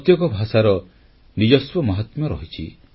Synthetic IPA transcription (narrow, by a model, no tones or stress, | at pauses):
ɔt̪jɔkɔbʱasaɾɔ | nid͡ʒɔswɔmɔɦɔt̪mɔɾɔɦit͡ʃʰi